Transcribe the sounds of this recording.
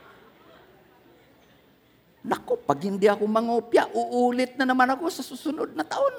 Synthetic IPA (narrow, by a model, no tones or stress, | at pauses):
nakopaɡind̪iakʊmaŋopjaʔuʔulɪt̪̚nanamanakʊsasʊsunʊd̪̚nat̪aʔʊn